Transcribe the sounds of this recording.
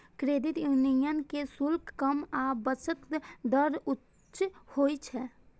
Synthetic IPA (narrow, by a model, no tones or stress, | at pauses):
kɾeːd̪ɪt̪junijənkesʊlkkəmabət͡ʃət̪d̪əɾʊ | t͡ʃhoːit͡ʃʰɛ